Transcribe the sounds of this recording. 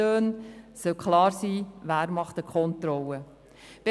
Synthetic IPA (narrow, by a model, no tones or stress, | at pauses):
øːnsœlkχlɑːɾsiːvæːɾmɑχt̪əkʰɔnt̪ɾɔlə | b̥e